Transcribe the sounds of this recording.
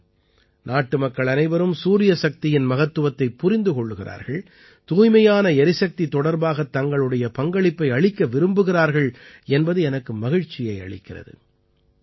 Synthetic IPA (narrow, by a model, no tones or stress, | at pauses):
nʔaːʈːɯmɐkːɐɭɐnɐɪbɐɾɯmsuːɾɪjɐsɐk̚t̪ɪjɪnmɐɣɐt̪ːɯʋɐt̪ːɐɪpːʊɾɪnd̪ɯkɔɭːɯɣɪrʔa̰ːɾɣɐɭ | t̪uːjmɐjaːnɐɛɾɪsɐk̚t̪it̪ːɔɽɐɾbaːɣɐt̪ːɐŋɡɐɭɯɽɐjɐpɐŋɡɐɭɪpːɐɪɐɭɪkːɐʋɪɾɯmbɯɣɪraːɾɣɐɭɛnbɐðɯɛnɐkːɯmɐɣɪɻt͡ʃːɪjɐɪɐ̰ɭɪ̰kːɪrɐ̰ðɯ̰